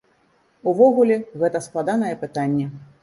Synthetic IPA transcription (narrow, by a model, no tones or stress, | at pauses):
uvɔɣulʲɛɣɛt̪ɐsklˠad̪anɐjɛpɨt̪anʲːɛ